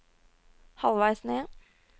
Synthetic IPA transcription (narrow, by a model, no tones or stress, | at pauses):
hɑlʋæɪsneː